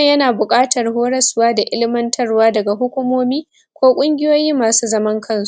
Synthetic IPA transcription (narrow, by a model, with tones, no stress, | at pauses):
jɐ˦naː˨bʊ˨kʼaː˦tɐ˨rhoː˦ɽɐ˦swaː˦da˨ʔɪ˦lɪ˦mɐ˦ntʰɐ˦rwaː˦dɐ˨ɡa˨ɦʊ˦kʷʊ˦moː˦miː˦ | kʷoː˦kʷʼʊ˦ŋɡʲɪ˦joː˦jiː˦mːaː˨suː˦zɐ˦mɐ˦ŋkʰɐ˦nsu˨ʔ